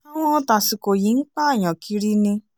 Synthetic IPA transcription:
a˦ŋʷɔ˦ta˨si˨ko˨ji˨˦ŋ̩˦k͡pa˦a˨ɲɔ˨kʰi˦ɾi˦nɪ̃˦

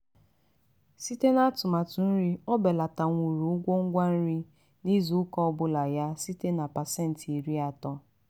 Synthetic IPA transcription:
si˦te˦na˦tʊ˨ma˨tʊ˨n̩˦ɾi˦ɔ˦bɛ˨la˨ta˨ŋʷu˨ɾu˨ʊ˦ɡʷo˦ŋ̩˦ɡʷa˦n̩˦ɾi˦ | ni˦zu˨ʊ˦kɔ˦ɔ˦bʊ˦la˨ja˦si˦te˦na˨pa˨sɛ˦˨n̩˨ti˨ɾi˦a˨tɔ˦

